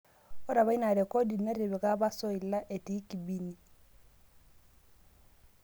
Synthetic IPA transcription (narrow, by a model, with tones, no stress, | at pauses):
ɔ˦ɾa˨βa˦i˦na˨ɾɛ˨ko˦di˨na˦ɾe˨βɛ˨ka˦βa˦sɔ˦i˨la˦ʔe˨ti˨˦ki˨bi˨ni˦˨